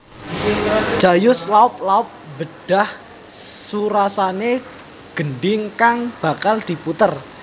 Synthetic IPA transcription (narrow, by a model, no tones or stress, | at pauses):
ʒ̥ajʊslaʊp̚laʊp̚bəɖ̥a̤h | suɾasane | ɡ̥ənɖɪŋkaŋb̥a̤kald̪̥i̤put̪ər